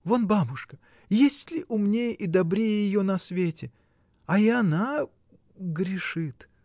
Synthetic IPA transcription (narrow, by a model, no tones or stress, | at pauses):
vonbabʊʂkə | jesʲtʲlʲɪʔʊmnʲejʔid̪ɐbɾʲejəjɪjonɐsvʲetʲɪ | ɐɪɐna | ɡɾʲɪʂɨt̪